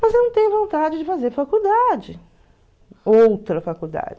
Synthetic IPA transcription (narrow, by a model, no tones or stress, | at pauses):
mɐzewnɐ̃w̃t̪ẽɲ̃ʊ̃võnt̪ad͡ʒɪd͡ʒɪfazeɾfakuwd̪ad͡ʒɪ | owt̪ɾɐfakud̪a̰d͡ʒɪ